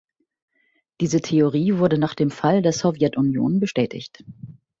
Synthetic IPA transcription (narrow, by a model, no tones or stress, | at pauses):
d̥iːzətʰeoʁ̞iːvʊɐdənaːχd̥eːmfaldeːɐzɔvjɛtʔʊnjo̰ːnbəʃtɛːtʰɪ̰çt